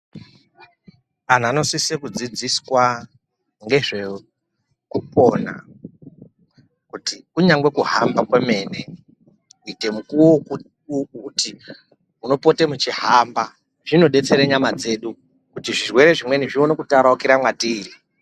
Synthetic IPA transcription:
an̤ano̞sisekud͡zid͡ziswa | ŋɡe̞ʐe | kupo̞na̰ | kutiuɲaŋɡwe̞kuɦambakweme̞ːne̞ | kuite̞mukuwo | ti | uno̞po̞te̞mut͡ʃiɦamba | ʐino̞ɗe̞t͡se̞ɾeɲamad͡ze̞ːɗu | kutiʐirwe̞ɾe̞ʐimwe̞niʐionokutaɾaukiɾamwatiːrii

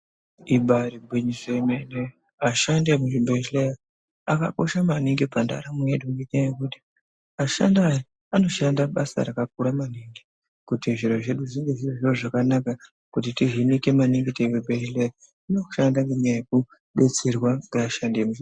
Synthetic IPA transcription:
iɓaɾibʱwiɲisemene | aʃandiemuʐibʱet͡ʃleja | aka̰ko̞̰ʃamaniŋɡipanda̰ɾamujedaŋɡeɲiajekuti̥ | aʃa̰ndaji | ano̞ʃandaɓasa̰ɾakak̚uɾamaniŋɡi | kutiʐiro̞ʐe̞ɗuʐiŋɡe̞ʐiroʐiroʐakanaka | kut̬itiɦinike̞maniŋɡiteikebʱeʃleja | ino̞̥ʃandaŋɡemajeku | ɓe̞t͡se̞rwaŋɡeaʃandiemui

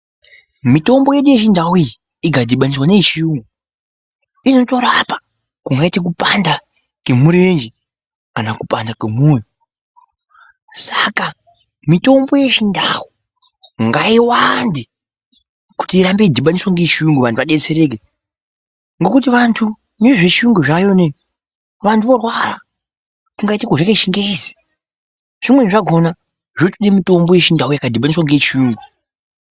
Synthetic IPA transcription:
mito̞mbo̞je̞ɗuje̞ʃindawii | iɡʱadʱiɓaniswaneʃijuːŋɡu | ino̞to̞ɾapḁ | kuŋɡaitek̬upanda | ke̞muɾe̞nd͡ʒe | kanakupandakemujo | saka | mito̞mbo̞je̞ʃindawu | ŋɡaiwandi | ku̥tiːɾambe̞dʱiɓaniswaŋɡet͡ʃiuŋɡuʋantʰuʋaɗe̞t͡seɾek̬e | ŋɡo̞kut̬iʋantʰu | neʐet͡ʃuŋɡuʐajone | ʋantʰuʋo̞rwara | kuŋɡaitikoʐakeʃiŋɡezi̥ | ʐ̥imwe̞ʐaɡʱo̞na | ʐ̥otuɗemito̞mbo̞je̞ʃindaujakadʱiɓaniswaŋɡet͡ʃiuːŋɡu

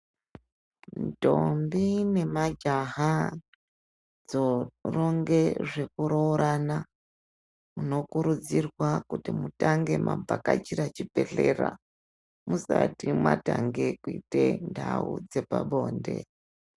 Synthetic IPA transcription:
nto̞mbine̞mad͡ʒaɦa | d͡zoro̞ŋɡe̞ʐe̞kuɾouɾʔana | uno̞kuɾud͡zirwakutimutaŋɡe̞mʔambakat͡ʃiɾat͡ʃipe̞ɬe̞ːra | musatimwataŋɡe̞kuitendaud͡ze̞paɓo̞ːnde̞

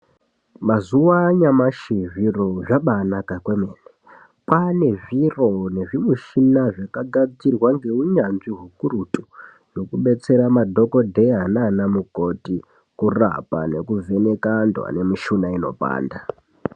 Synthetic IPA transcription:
mazuwaɲamaʃiʐiroʐaɓanakakwe̞meːne | pane̞ʐiro̞ne̞ʐimuʃinaʐakaɡad͡zirwaŋɡe̞uɲanʐiɦukuɾutu | no̞kuɓe̞t͡se̞ɾamadʱo̞ko̞dʱe̞ɦananamuko̞ti | kura̰pa̰ne̞kuve̞ne̞kandwa̰ne̞miʃunaino̞̰pa̰ːnda

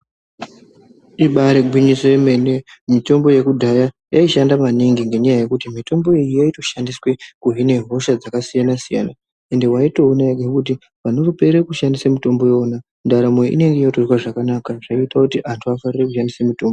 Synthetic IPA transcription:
iɓaɾeɡʱwiɲisojeme̞nemito̞mbo̞je̞kudʱaja | jaiʃandamaniŋɡiŋɡe̞ɲajaje̞kutimito̞mbo̞ijijaito̞ʃandiswe̞kuɦine̞ɦo̞ʃad͡zakasijanasija̰na | e̞nde̞waito̞ːnaeɡekut̬i | ʋanorupe̞ɾekuʃandisamito̞mbo̞joːna | ndaɾamo̞ḭne̞ŋɡe̞jotozwaʐakanakaʐ̥aiitakutiʔantʰuafarirekuʃandisamito̞ːmbo

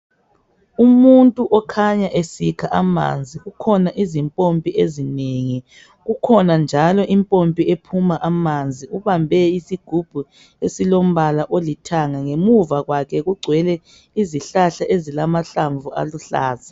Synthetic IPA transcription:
umuntʼuʔɔkʰaɲaʔesikʰaʔama̰nd͡zʱiɣukʰɔnaʔizimpʼompʼiʔezineŋi | ɣukʰɔnand͡ʒʱalɔʔimpʼompʼiepʰumaʔamand͡zʱiuβambʱɛisiɡ̥ʱub̥ʱu | esilom̩βalaʔolitʰaŋaŋemuvaɣwakʰɛɣuɡ͡ǀʱwɛlɛ | iziɬaɬaʔezilamaɬaɱvʱua̰luɬa̰ːza

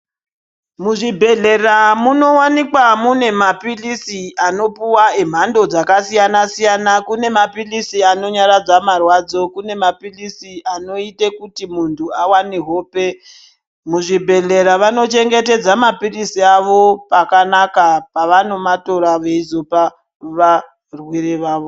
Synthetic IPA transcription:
muʐibʱe̞ɮe̞ramuno̞wanikwamune̞mapilisiano̞puwaem̤ando̞d͡zakasijanasijanakune̞mapilisiano̞ɲaɾad͡zamarwad͡zo̞kune̞mapilisiʔano̞itekutimuntʰuawaneɦo̞ːpe̞ | muʐibʱe̞ɮe̞ɾaʋano̞t͡ʃe̞ŋɡe̞te̞d͡zamapirisiaʋo̞pakanakapaʋano̞mato̞ɾaʋeizo̞pa | ʋa | rwiɾeʋaːʋo

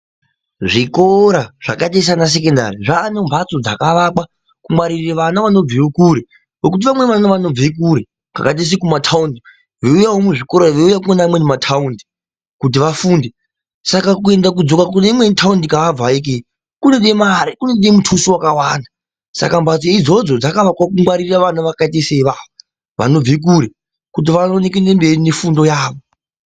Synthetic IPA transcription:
ʐikoɾaʐ̥akates̬anas̬ekenda̰riʐaːnembʱat͡so̞d͡zakaʋak͡pa | kumaɾirreʋanaʋano̞b͡viwokuɾe | ʋokut̬iʋamwe̞ʋanaʋano̞b͡vek̬uɾe | ka̰kat̬es̬ikumatʰaundi | ʋeujawomuʐiko̞ɾaʋeujakuenamwenematʰaundi | kut̬iʋafuːnde | sakakue̞ndak̬ud͡zo̞kakuneimwe̞tʰaundikaʋab͡vaik̬e | kune̞ɗemaɾikune̞ɗemutʰusiwakawaːna | sa̰kambat͡seid͡zo̞d͡zo̞d͡zakaʋakwakuŋɡwaɾirraʋanuʋakat̬eseʋaːʋo | ʋa̰no̞b͡vek̬uɾe | kut̬iʋanone̞k̬ene̞mbe̞rine̞fundo̞jaːʋo

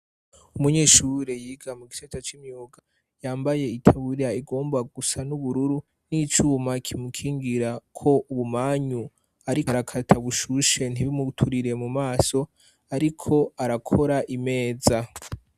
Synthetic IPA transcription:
umuɲeːʃuɾejiːɡamuɡisetat͡ʃimɲuːɡa | jaːmbaje̞itʰaβuɾiɾaiɡo̞ːmbaɡusanuβuɾuɾu | nit͡ʃuːmakʰimukʰiːŋɡiɾakʰo̞ʔuβumaːɲu | aɾiaɾakʰatʰaβuʃuʃe̞n̥iβimutʰuɾiɾe̞mumaːso̞ | aɾikʰo̞aɾakʰo̞ɾaʔime̞ːza

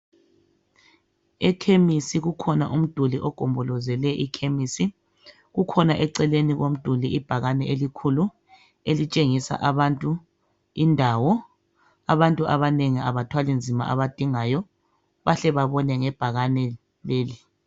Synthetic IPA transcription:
ɛkʰemisiɣukʰɔnaʔum̩d̥ʱuliʔɔɡ̥ʱɔmbʱɔlɔzɛlɛʔikʰemisi | ɣukʰɔnaʔɛǀɛleniɣom̩d̥ʱuliʔib̥ʱaɣanɛʔelikʰulu | elit͡ʃʼeŋisa̰ʔaβantʼu | indʱawɔ | aβantʼuʔaβaneŋiaβatʰwalind͡zʱima̰ʔa̰βad̥ʱiŋajɔ | βaɬɛβaβɔnɛŋɛb̥ʱaɣanɛ | leːli

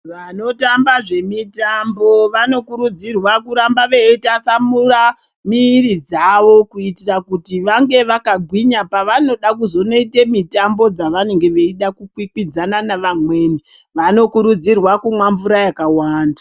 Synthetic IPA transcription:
ʋano̞tambaʐe̞mitambo̞ʋano̞kuɾud͡zirwakuɾambaʋeitasamura | miːɾid͡zaʋo̞kuitirakutiʋaŋɡe̞ʋakaɡʱwiɲapaʋano̞ɗakuzo̞no̞ite̞mitambo̞d͡zaʋane̞ŋɡe̞ʋe̞iɗakukwikwid͡zananaʋamwe̞ːni | ʋano̞kuɾud͡zirwakumwamvuɾajakawaːndḁ

